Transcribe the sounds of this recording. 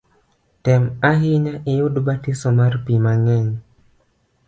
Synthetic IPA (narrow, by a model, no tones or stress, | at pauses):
tɛmaɦiɲaʔɪjudbatisɔmarpimaŋɛɲ